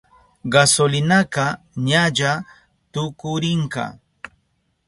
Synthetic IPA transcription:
ɢasolɪnakɑ | ɲaʎa | t̪ʊkʊɾɪɴkɑ̰

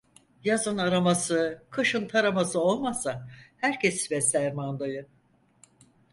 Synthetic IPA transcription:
jazɯnaɾamasɯkʰɯʃɯnt̪ʰaɾamasɯo̞lˠmasahæɾcʰesvɛsʲæɾmand̪ajɯ

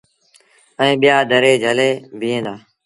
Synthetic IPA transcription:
əĩːɓɪjaːd̪ʱəɾeːd͡ʒəleːbʱiːẽːd̪aː

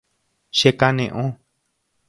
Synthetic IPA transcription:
ʃekanẽʔõ

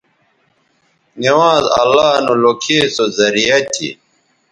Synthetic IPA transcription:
niwãːzɐ̰lːaːnulokʰeːsozɐɾijɐt̪ʰḭ

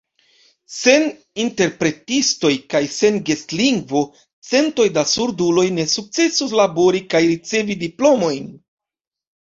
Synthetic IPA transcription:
se̞n | inte̞ɾpɾe̞tisto̞jkajse̞nɡe̞stliŋɡvo̞ | t͡se̞nto̞jdasuɾdulo̞jne̞suk̚t͡se̞suslabo̞ɾikajɾit͡se̞vidiplo̞mo̞jn

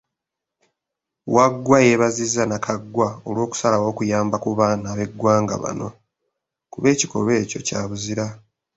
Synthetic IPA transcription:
waɡwaje̞βazizːanakʰaɡwao̞lwo̞ːku̥salawo̞ːkujaːmbakuβaːnaβe̞ɡwaːŋɡa̰βa̰no̞̰ | kuβe̞ːci̥ko̞̰βe̞ːco̞caːβuziɾa

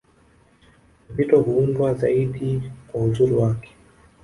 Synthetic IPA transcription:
pitɔhuundwazaiɗikwauzuɾuwakɛ̥

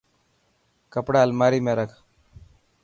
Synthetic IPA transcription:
kəpɽalmaɾiːmaɾək

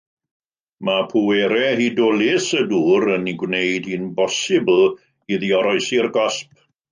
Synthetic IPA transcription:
mapʰuwɛɾɛɦidɔːlɪsəduːɾəniɡwnejd̥hiːnbɔsɪbl̩ˠ | iðiɔɾɔɨsirɡɔsp̚

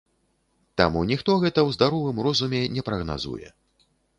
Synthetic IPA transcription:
t̪amunʲixt̪ɔɣɛt̪ɐwzd̪aɾɔvɨmrɔzumʲɛnʲɛpɾɐɣna̰zṵjɛ̰

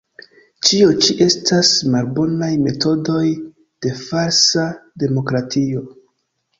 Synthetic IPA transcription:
t͡ʃiot͡ʃiʔe̞stasmalbo̞najme̞to̞do̞j | d̥e̞faɾsade̞mo̞kɾatʰio̞

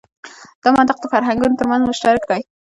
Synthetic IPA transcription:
d̪̥əmant̪ɪq̚d̪əfaɾɦaŋɡunot̪əɾmanzmʊʃʈɑɾɪk̚d̪ɑj

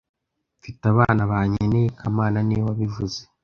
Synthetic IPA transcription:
fitaβaːnaβaːɲenekʰamaːnaniwwaβivuze̥

